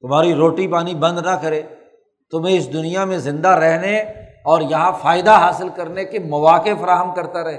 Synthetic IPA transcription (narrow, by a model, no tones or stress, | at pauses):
t̪ʊmɦaːɾiɾoːʈipaːnibɐ̃nd̪nɐkɐɾeː | t̪ʊmẽɪsd̪ʊnijamẽzɪ̃nd̪aɾɛɦneɔːɾjɐɦãfaːɪd̪aɦaːsɪlkɐɾnekemɐʋaːkefɐɾaːɦəmkɐɾt̪aɾɐɦeː